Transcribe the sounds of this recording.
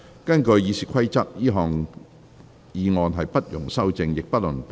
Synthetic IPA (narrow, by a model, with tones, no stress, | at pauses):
kɐ˥nkɵ˧ɥjiː˨˧siː˨˩kʰɐ˥jt͡sɐ˥t̚jiː˥ɦɔː˨˩ŋ | jiː˨˧ŋɔː˨˧nɦɐ˨jpɐ˥t̚jʊ˨˩ŋsɐ˥wt͡sɪ˧ŋjɪ˨k̚pɐ˥t̚lɵ˨˩np